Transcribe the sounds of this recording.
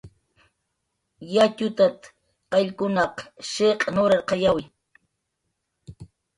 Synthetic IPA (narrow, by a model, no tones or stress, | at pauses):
jat͡ʃʊt̪at̪ | qɑʎkʊnɑqʃeqʼnoɾaɾqɑjawɪ